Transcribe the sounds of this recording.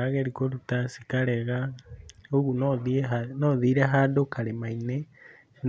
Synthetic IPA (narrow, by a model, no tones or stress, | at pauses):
aɣeɾikoɾut̪asikaɾeɣa | uɣunoðiɦanoðiɾaɦadokʰaɾemaine | n